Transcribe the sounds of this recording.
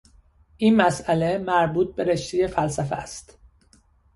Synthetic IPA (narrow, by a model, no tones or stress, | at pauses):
ʔiːnmæsʔæle̞mæɾbuːt̪̚be̞ɾeʃt̪ʰijefæls̬æfḛæst̪